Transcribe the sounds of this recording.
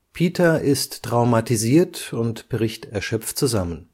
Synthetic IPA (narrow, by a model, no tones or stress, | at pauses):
pʰiːtʰɐʔɪsttʁ̥aʊmatiziːɐtʊntb̥əʁɪçtɛɐʃœpp͡ftt͡suzamən